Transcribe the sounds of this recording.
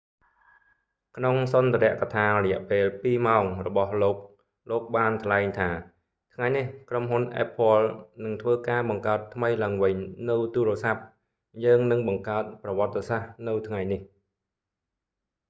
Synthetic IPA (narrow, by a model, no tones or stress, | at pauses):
kʰnoŋsɑnt̪eɾɛ̆əʔkat̪ʰaːrɔjɛ̆əʔpeːlpiːmaɔŋrɔɓɑhloːk̚ | loːk̚ɓaːnt̪ʰlaɛŋt̪ʰaː | t̪ʰŋajnihkromɦunʔa̰ːpʰːŏəlnɨŋt̪ʰʋəːkaːɓɑŋkaət̪ʰːməjlaəŋʋɨɲnɨwt̪uːɾəsap̚ | jəːŋnɨŋɓɑŋkaət̪̚prɑʋŏət̪ːesahnɨwt̪ʰŋajnih